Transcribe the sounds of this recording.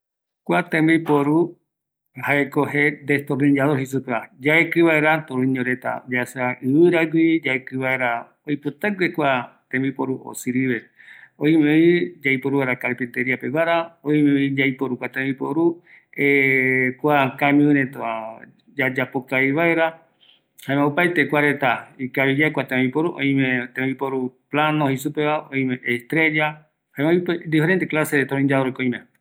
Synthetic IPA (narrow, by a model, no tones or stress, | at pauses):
kʷat̪ẽmbipoɾu | haekoɦed̪est̪oɾnĩd͡ʒaðoɾɦisupead͡ʒaekɨβaeɾat̪oɾũĩɲoɾet̪a̰d͡ʒasaɨβɨɾaɡʷid͡ʒaekɨβaeɾa | ojput̪aɡɾekʷat̪ẽmbipoɾuʔo̰sɨɾiβeoimẽid͡ʒaipoɾuβaɾakaɾpint̪eɾiapeβaɾaojmeoid͡ʒaipoɾukʷat̪ebipoɾu | ekʷakamĩĩɾet̪oa | d͡ʒad͡ʒapokajβaeɾa | haẽmeupajt̪ekʷaɾet̪aikaβid͡ʒakʷwat̪ẽbipoɾuʔo̰ĩmẽt̪ẽmbipoɾuplanohisupeβaʔoĩmẽʔest̪ɾe̞d͡ʒa | haemeoiped̪ifeɾent̪eklaseet̪oɾõĩɲd͡ʒaoɾokoĩmẽ